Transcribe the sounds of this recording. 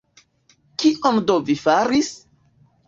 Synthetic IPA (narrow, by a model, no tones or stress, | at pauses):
kiʔondovifaɾis